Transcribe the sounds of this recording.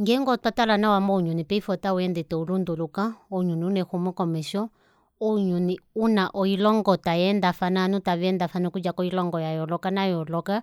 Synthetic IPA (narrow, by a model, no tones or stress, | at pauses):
ŋɡɛŋɡɔtwatalanawamɔuɲunipɛifɔtauɛndɛtɛulundulukaɔɲuniunɛxumɛkɔmɛʃɔ | ɔɲuniunaʔɔilɔŋɡɔtajɛndafananiutaβiɛndafanikud͡ʒakɔilɔŋɡɔjajɔlɔkanajɔlɔka